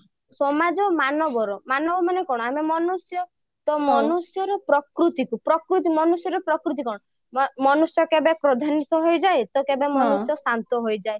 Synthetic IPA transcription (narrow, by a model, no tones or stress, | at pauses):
sɔmad͡ʒɔmanɔbɔɾɔmanɔbɔmanekɔɽ̃ɔamemɔnusjɔ | t̪ɔmɔnusjɔɾɔpɾɔkɾut̪ikupɾɔkɾut̪̬imɔnusjɔɾɔpɾɔkɾut̪̬ikɔɽ̃ɔ | mɔnusjɔkebepɾɔd̪ʱanit̪ɔɦojd͡ʒaet̪ɔkebemɔnusjɔsant̪ɔɦojd͡ʒae